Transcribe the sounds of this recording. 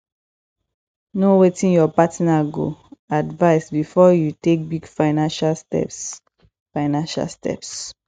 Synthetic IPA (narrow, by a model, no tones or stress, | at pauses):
nowetĩnjɔpatnaɡo̰advaɪsbifɔjutek̚biɡfaɪnãnʃalstɛ̰ps | faɪnãnʃa̰lstɛ̰ps